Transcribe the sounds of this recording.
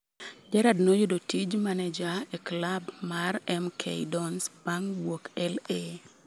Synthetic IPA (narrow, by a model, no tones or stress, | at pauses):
d͡ʒɛɾadnojʊdotid͡ʒmaned͡ʒaeklabmarɛmkʰḛjdɔnspaŋwokɛle